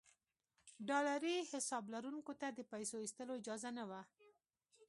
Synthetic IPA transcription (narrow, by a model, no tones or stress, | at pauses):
ɖɑlaɾihɪsɑblaɾuŋkot̪ad̪əpajsoist̪əloɪd͡ʒɑzanawa